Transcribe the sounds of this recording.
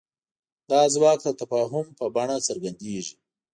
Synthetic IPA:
d̪ɑːzwɑːk̚t̪at̪afɑːɦʊmpəbaɳasəɾɡand̪eːʒi

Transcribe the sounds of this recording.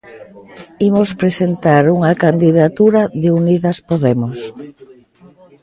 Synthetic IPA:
imospɾesent̪aɾuŋakand̪iðat̪uɾaðeuniðɐspoðemos

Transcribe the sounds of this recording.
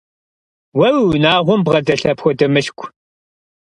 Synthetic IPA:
wɐwwnaːʁʷʊmbʁɐdɐɬɐpxʷɔdɐmɨɬkʷʼʰ

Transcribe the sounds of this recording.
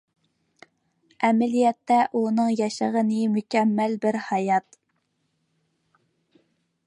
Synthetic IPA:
ɛmælijɛt̪ːɛʔunɨŋjɑʃəʁənɨmukʲɛmːælbɪɾhɑjɑt̪

